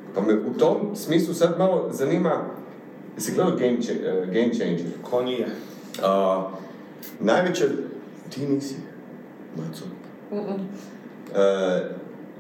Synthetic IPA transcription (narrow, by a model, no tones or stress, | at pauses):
pamɛʔut̪omsmiːs̬lˠusad̪malozaniːma | jasiɡleːd̪aloɡemt͡ʃeɡejmt͡ʃejnd͡ʒɛɾkʰoni | ə | najʋet͡ɕɛ | t̪iniːsi | mət̪so | ə